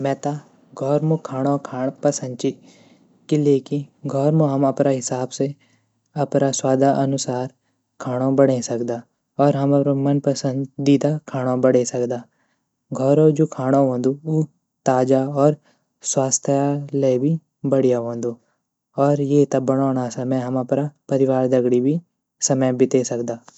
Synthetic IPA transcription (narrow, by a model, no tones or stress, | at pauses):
mɛ̃ːt̪a | ɡʱɔːɾmokʰaːɽ̃okʰaːpɐsə̃nd̪̚t͡ʃi | kileːkiɡʱɔːɾmoɦɐmɐpɾaɦɪsaːbse | ɐpɾaswaːd̪ʱaʔɐnʊsaːɾ | kʰaːɽ̃õbəɽesɐkd̪aː | ɔːɾɦɐmɐmɐnpəsə̃nd̪d̪iːd̪akʰaːɽ̃õbəɽesɐkd̪aː | ɡʱɔːɾõd͡ʒoːkʰaːɽ̃oɦõːnd̪uuː | t̪aːd͡ʒaɔːɾ | swaːst̪ʰjaleːbʱi | bɐɽijaɦõːnd̪oː | ɔːɾjeːt̪ɐbɐɽ̃ɔːñasɐməɦɐmɐpnapɐɾɪʋaːɾd̪ɐɡɽibʱi | sɐməjbɪt̪esɐkd̪aː